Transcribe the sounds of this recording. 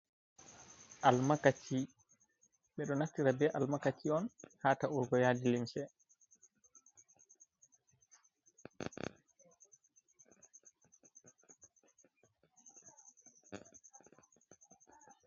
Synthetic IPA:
ʔalmakat͡ʃʰi | ɓɛɗɔnaftːiɾabɛʔalmakat͡ʃːiɔnhaːtauɾɡɔjaːdilimsɛ

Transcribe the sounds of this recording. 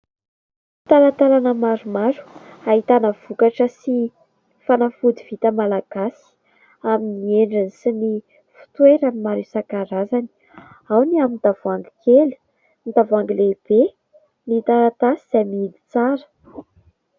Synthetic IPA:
t̪alat̪alanəmaɾumaɾu̥aɦit̪anəv̥ukaʈ͡ʂəsi | fanafud̪iv̥it̪əmalaɡ̥asi̥ | aminieɳɖ͡ʐənisini | fu̥t̪weɾanimaɾisakaɾazani̥ | awniamind̪̥avuaŋɡikeli̥ | nid̪avaŋɡileb̥e | nit̪aɾat̪asiz̥amiid̪i̥t͡saɾə̥

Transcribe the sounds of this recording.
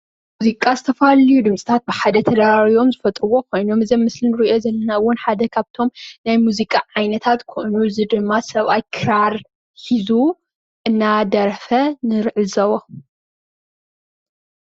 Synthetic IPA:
muzikʼazɨt̪ʰɐfalijud̪ɨmsʼi̥t̪ʰat̪̚bɨħad̪ɐt̪ʰɐd̪aɾaɾio̞mzɨfɐt̪ʼɾɨwo̞kʰo̞jnomɨzɐmmːɨslinɨɾiʔo̞zɐlːɐnawʊnħad̪ɐkʰaβt̪ʰo̞mnajmuzikʼaʕajnɐt̪ʰat̪kʰoʔnuzɨd̪ɨmːasɐβʔajkʰɨɾaɾ | ħizu | ʔɨnːad̪ɐɾfɐnɨɾʕɨzɐwo

